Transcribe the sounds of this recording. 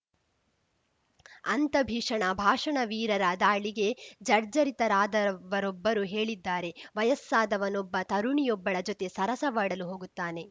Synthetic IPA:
ɐnt̪ɐbʱiːʂɐɳɐbʱaːʂɐɳɐʋiːɾɐɾɐd̪aːɭiɡe̞d͡ʒɐɾd͡ʒɐɾit̪ɐɾaːd̪ɐʋɐɾɔbːɐɾuɦeːɭid̪ːaːɾe̞ʋɐjɐsːaːd̪ɐʋɐnɔbːɐt̪ɐɾuɳijɔbːɐɭɐd͡ʒot̪e̞sɐɾɐsɐʋaːɽɐluɦo̞ːɡut̪ːaːne̞

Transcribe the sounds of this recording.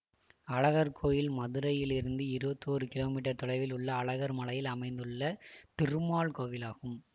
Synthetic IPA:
ɐɭɐɣɐɾkʰoːjɪlmɐðɯɾɐjɪlɪɾɯnd̪ɯɪɾɯbɐt̪ːɯoːɾɯkɪloːmiːʈ̬ɐɾt̪ɔɽɐɪʋɪlʊɭːɐːɭɐɣɐɾmɐlɐjɪlɐmɐɪnd̪ɯɭːɐt̪ɪrɯmaːɭkoːʋɪlaːɣɯm

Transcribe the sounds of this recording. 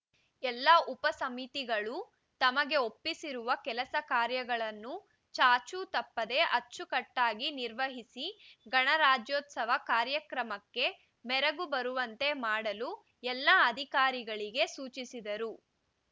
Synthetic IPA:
ɛlːɐʔupɐsɐmit̪iɡɐɭu | t̪ɐmɐɡe̞opːisiɾuʋɐkɛlɐsɐkaːɾjɐɡɐɭɐnːu | t͡ʃaːt͡ʃut̪ɐpːɐd̪e̞ʔɐt͡ʃːukɐʈːaːɡiniɾʋɐɦisiɡɐɳɐɾaːd͡ʒjoːt̪sɐʋɐkaːɾjɐkɾɐmɐkːe̞ | mɛɾɐɡubɐɾuʋɐnt̪e̞maːɽɐlu | ɛlːɐɐd̪ʱikaːɾiɡɐɭiɡe̞suːt͡ʃisid̪ɐɾu

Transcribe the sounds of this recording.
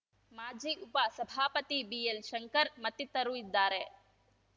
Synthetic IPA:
maːd͡ʒiːʔupɐsɐbʱaːpɐt̪ibiːelʃɐŋkɐɾmɐt̪ːit̪ɐɾuid̪ːaːɾe

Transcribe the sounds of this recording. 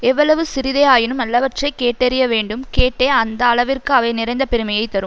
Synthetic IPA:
ɛʋːɐɭɐʋɯsɪɾɪðeaːjɪnɯmɐlːɐʋɐʈrɐɪkːeːʈːɛɾɪjɐʋeːɳɖɯmkeːʈːeːɐnd̪ɐːɭɐʋɪrkɯɐʋɐɪnɪɾɐnd̪ɐpɛɾɯmɐjɐɪt̪ːɐɾɯ

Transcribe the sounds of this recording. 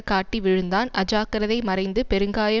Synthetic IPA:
kaːʈːiʋɪɻɯnd̪aːnɐd͡ʒaːkɐɾɐðɐɪmɐɾɐɪnd̪ɯpɛɾɯŋɡaːjɐ

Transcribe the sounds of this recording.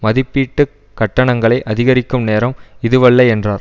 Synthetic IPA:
mɐðɪpːiːʈːɯ | kːɐʈːɐɳɐŋɡɐɭɐɪʔɐðɪɣɐɾɪkːɯmneːɾɐmɪðɯʋɐɭːɐɛndraːɾ

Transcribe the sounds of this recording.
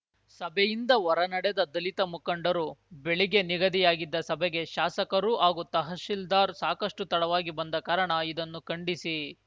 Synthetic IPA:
sɐbʱɛjind̪ɐʋɔɾɐnɐɽɛd̪ɐd̪ɐlit̪ɐmukɐɳɖɐɾubeɭiɡe̞niɡɐd̪ijaːɡid̪ːɐsɐbʱɛɡe̞ʃaːsɐkɐɾuɦaːɡut̪ɐɦɐʃild̪aːɾsaːkɐʂʈut̪ɐɽɐʋaːɡibɐnd̪ɐkɐɾɐɳɐid̪ɐnːukɐɳɖisi

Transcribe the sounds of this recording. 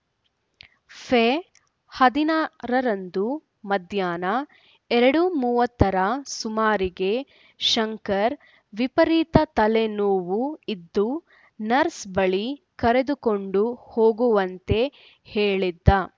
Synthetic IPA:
pʰe | hɐd̪inaːɾɐɾɐnd̪u | mɐd̪jaːnɐ | ɛɾɐɽumuːʋɐt̪ːɐɾɐsumaːɾiɡe̞ | ʃɐŋkɐɾ | ʋipɐɾiːt̪ɐt̪ɐlenoːʋuid̪ːu | nɐɾsbɐɭi | kɐɾe̞d̪uko̞ɳɖuhoːɡuʋɐnt̪e̞ | heːɭid̪ːɐ

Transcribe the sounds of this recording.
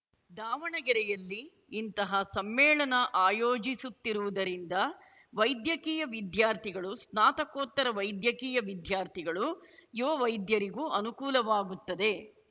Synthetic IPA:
d̪aːʋɐɳɐɡɐɾɛjɐlːiː | nt̪ɐɦɐsɐmːɛːɭɐnɐʔaːjoːd͡ʒisut̪ːiɾuʋud̪ɐɾind̪ɐ | ʋɐjd̪jɐkiːjɐʋid̪jaːɾt̪ʰiɡɐɭusnaːt̪ɐkoːt̪ːɐɾɐʋɐjd̪jɐkiːjɐʋid̪ʱjaːɾt̪ʰiɡɐɭujoɐʋɐjd̪jɐɾiɡuɐnukuːlɐʋaːɡut̪ːɐd̪e̞

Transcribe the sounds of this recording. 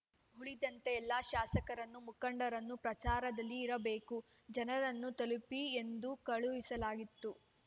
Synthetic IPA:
ɦuɭid̪ɐnt̪eːlːaːʃaːsɐkɐɾɐnːumukɐɳɖɐɾɐnːupɾɐt͡ʃaːɾɐd̪ɐlːiːɾɐbe̞ːku | d͡ʒɐnɐɾɐnːut̪ɐlupiend̪ukɐɭuʋisɐlaːɡit̪ːu

